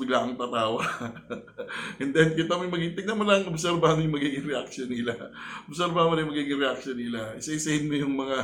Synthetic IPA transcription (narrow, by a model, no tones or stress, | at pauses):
bɪɡlaːkɐŋt̪ɐt̪aːwɐ | ʔɛnd̪ɛnkɪt̪ɐmojmɐɡɪŋt̪ɪɡ̚nɐmolɐɐŋʔobsɛɾbɐhanojʊŋmɐɡiːɡɪŋɾɛʔɐkʃonːɪlaobsɛɾbaamɐljʊŋmɐɡiːɡɪŋɾɛʔɐk̚ʃonːɪlaʔɪsɐɪsɐhɪnmojʊŋmɐŋa